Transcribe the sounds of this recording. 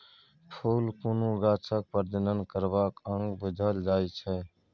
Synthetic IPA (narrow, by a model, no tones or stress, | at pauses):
pʰuːlkonuɡaːt͡ʃʰək̚pəɾd̪ənənkəɾbakə̃ŋɡbəd̪ʱəld͡ʒaːjt͡ʃʰɛ